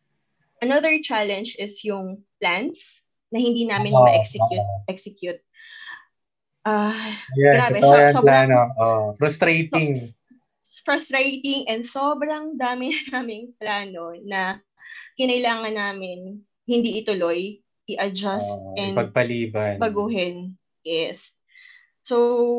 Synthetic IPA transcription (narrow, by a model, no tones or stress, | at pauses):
ʔɐnɐðɛɹt͡ʃalɛnd͡ʒɪsjʊŋplant̪s | nɐhɪnd̪iːnaːmɪnɐʔɛksɛjut̪̚ʔɛksɛkjʊt̪̚ | ʔajaɡɾaːbɛjɐoplaanoʔoʔfɾʊst̪ɾejt̪ɪŋ | fɾʊst̪ɾejt̪ɪŋʔɛnd̪so̞ːbɾɐŋd̪aːmɪnnaːmɪŋplaːno̞nɐ | kɪnɐʔɪlaːŋɐnːaːmɪn | hɪnd̪iːʔɪt̪ʊloj | ʔɪʔɐd͡ʒast̪ʔɛndpɐɡ̚pɐliːbɐnbɐɡuːɦɛn | jɛs | so